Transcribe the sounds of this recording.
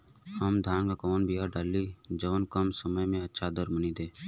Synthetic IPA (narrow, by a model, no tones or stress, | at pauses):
həmd̪ʱjaːnkakoːnbʱijaːɖaːlːiːd͡ʒəʋnkəmsəməjmẽətːʃʰad̪əɾmənid̪eː